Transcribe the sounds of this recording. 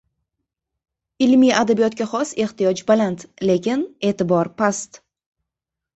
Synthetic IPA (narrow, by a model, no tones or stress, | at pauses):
ɪlmijʔad̪abijɒt̪ɡʲaχɒse̞ht̪ijɒd͡ʒbalant̪le̞kʲɪne̞ːt̪ɪbɒɾpʰast̪